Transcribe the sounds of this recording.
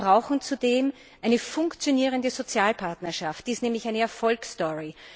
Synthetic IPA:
ʁaʊxŋ̩t͡sudeːm | ʔaɪnəfʊŋkt͡sjoniːʁəndəzot͡sjaːlpʰaɐtnɐʃaftd̥iːstnɛːmlɪçæɪnəɛɐfɔlkstɔʁi

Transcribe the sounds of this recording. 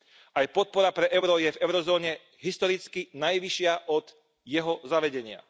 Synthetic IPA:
ajpɔt̪̚pɔɾapɾɛʔɛʊɾɔjɛvɛʊɾɔzɔːɲɛ | ɦist̪ɔɾit͡skinajʋiʃɪaʔɔd̪̥ | jɛɦɔzaʋɛɟɛɲɪa̰

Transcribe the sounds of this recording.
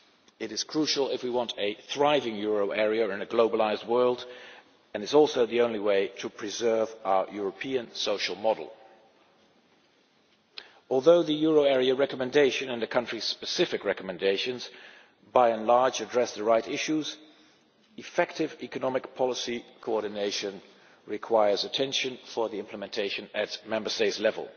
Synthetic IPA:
ɨɾɨz̥kʰɹ̥uʃl̩ˠɪfwiwɑ̃ntʰɨθɹaɪvɪ̃ŋjʊɹoʊʔɛɹiɨɹɪ̃nɨɡloʊbəlaɪzd̚wɜ˞lˠd | ɨ̃nɨzɔlˠsoʊðiõʊ̃nliweɪɾəpʰɹ̥ɨzɜ˞vaʊə˞jʊɹəpʰĩɨ̃nsoʊʃl̩ˠmɑɾl̩ˠ | ɔlˠðoʊðɨjʊɹoʊɛɹiɨɹɛkəmɨ̃ndeɪʃɨ̃nɨ̃nðɨkʰʌ̃nt͡ʃɹ̥iz̥spɨsɪfɨkɹɛkəmɨ̃ndeɪʃɨ̃nz̥ | baɪɨ̃nlɑɹd͡ʒɨdɹɛsðəɹaɪɾɪʃuz | ɨfɛk̚tɪvikɨnɑmɨkpʰɑlˠəsikʰoɔɹɾⁿn̩eɪʃɨ̃n | ɹɨkʰw̥aɪə˞zɨtʰɛ̃nʃɨ̃nfə˞ðiɪ̃mpləmɨ̃ntʰeɪʃɨ̃nɨt̚mɛ̃mbə˞steɪtslɛvə̰lˠ

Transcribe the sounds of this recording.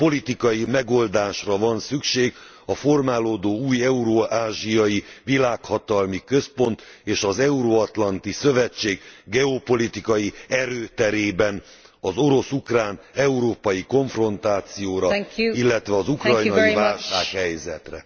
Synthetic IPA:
po̞lit̪ikɒjimɛɡo̞ld̪aːʃrɒvɒnsykʃeːɡ | ɒfo̞rmaːloːd̪oːuːjɛuɾoaːʒijɒjivilaːkhɒt̪ɒlmikø̞spo̞nt̪eːʃɒzɛuɾoɒt̪lɒnt̪isø̞vɛt͡ʃːeːɡɡɛopo̞lit̪ikɒjiɛɾøːt̪ɛɾeːbɛn | ɒzo̞ɾo̞sukraːnɛuɾoːpɒjiko̞ɱfro̞nt̪aːt̪sijoːɾɒilːɛt̪ʋɛɒzukrɒjnɒjivaːlʃaːkhɛjzɛt̪rɛ̰

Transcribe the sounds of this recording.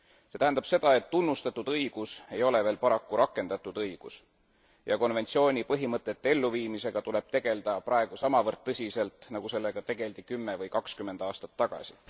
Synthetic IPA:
se̞t̪æɦend̪ɑb̥se̞d̪̥ɑe̞t̪ːunːust̪ɑt̪ːˑud̪ɤijɡ̥use̞jo̞le̞veːlpɑɾɑkːuɾʔɑkːˑe̞nd̪̥ɑt̪ːˑud̪ɤjɡ̥ṵs | jʔɑko̞nve̞nt̪sio̞ːnʲipɤɦimɤt̪ːˑet̪ːe̞lːuviːmise̞ɡ̥ɑt̪ule̞b̥̚t̪e̞ɡ̥e̞ld̪̥ɑprɑe̞ɡ̥usɑmɑvɤrt̪̚ːɤsʲise̞lt̪ˑnɑɡ̥use̞lːe̞ɡ̥ɑt̪e̞ɡ̥e̞ld̪̥ikymːevɤjkɑkskymːe̞nd̪̥ɑːst̪ɑt̪ːɑɡ̥ɑ̰si

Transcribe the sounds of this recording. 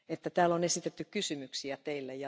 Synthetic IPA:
et̪ːæt̪æːlonesit̪et̪ːykkysymyksiæt̪eilːæjjɑ

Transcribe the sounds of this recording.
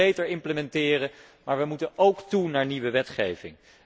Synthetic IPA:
ejtəɹɪmpləmɛntɪːrə | maːɹʋəmutənowktunaːɹniʋəʋɛtχejvɪ̰ŋ

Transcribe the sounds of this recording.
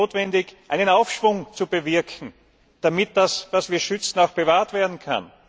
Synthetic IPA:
oːtv̥ɛndɪçʔæɪnənaʊfʃv̥ʊŋt͡subəvɪɐkʰŋ̩ | d̥amɪt̚d̥asvasv̥iːɐʃʏt͡sn̩aʊxb̥evaːɐtv̥eːɐdn̩kʰa̰n

